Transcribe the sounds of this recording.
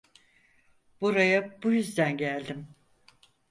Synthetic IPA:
b̥uɾajabujyzd̪ænɟælʲd̪im

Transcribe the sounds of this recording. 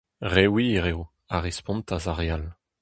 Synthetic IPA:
ʁewiʁew | aʁespɔ̃nt̪azaʁeal

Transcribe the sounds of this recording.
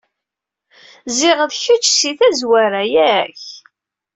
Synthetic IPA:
zɪʁəðçət͡ʃːsiθæzwaɾajæç

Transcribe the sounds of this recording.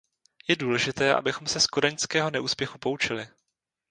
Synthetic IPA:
jɛduːlɛʒɪt̪ɛːʔa̰bɪxo̞msɛskodɛɲskɛːɦo̞nɛʔuːspjɛxupo̞ut͡ʃɪlɪ

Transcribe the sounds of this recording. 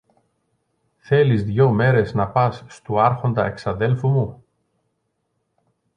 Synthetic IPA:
θe̞lizðʝo̞me̞ɾe̞znɐpɐsːt̪uɐɾxo̞nd̪ɐe̞ksɐðe̞lfumu

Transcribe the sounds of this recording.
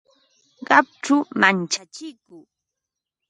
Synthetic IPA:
ɢɑp̚ʈ͡ʂʊmant͡ʃat͡ʃɪkʊː

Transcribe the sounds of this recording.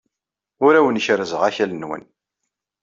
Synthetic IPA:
ʊɾæwənçɾəzəʁæçælənwə̰n

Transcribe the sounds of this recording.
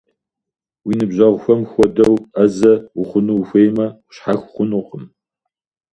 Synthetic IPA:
winɨbʑɐʁʷxʷɐmxʷɔdɐwɐzɐʊχʷʊnuxʷejmɐʊ̥ɕħaxʷχʷʊnuːqəm

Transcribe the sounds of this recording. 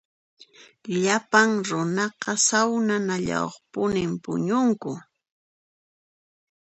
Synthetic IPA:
ʎapaŋɾʊnɑqɑsawnanaʎa̰wχpʊnɪmpʊ̰ɲʊŋkʊ

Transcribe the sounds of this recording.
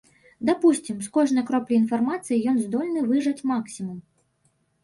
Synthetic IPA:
d̪apusʲt͡sʲimskɔʐnɐjkɾɔplʲɛinfarmat̪sɨjijɔnzd̪ɔlʲnɨvɨʐɐt͡sʲmaksʲimum

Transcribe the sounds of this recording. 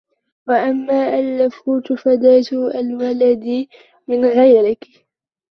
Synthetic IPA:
waʔamːaːʔalːafuːt̪fad̪aːt̪ʔalwalad̪ | mɪnɣajɾɪk

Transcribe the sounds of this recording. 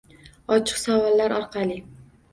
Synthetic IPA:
ɒt͡ʃʰɨ̥qsavɒlˠːaɾɒɾqʰɑlɪ

